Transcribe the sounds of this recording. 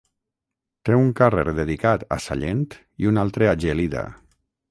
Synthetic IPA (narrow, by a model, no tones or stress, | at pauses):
t̪euŋkarḛɾðeðikat̪a̰sa̰ʎent̪ | iunalˠt̪ɾeaʒeliða̰